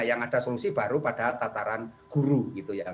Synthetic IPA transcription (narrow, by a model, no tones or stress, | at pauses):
jaŋad̥a̤solusib̥a̤ɾupad̥at̪at̪aɾanɡ̥uɾuɡit̪uja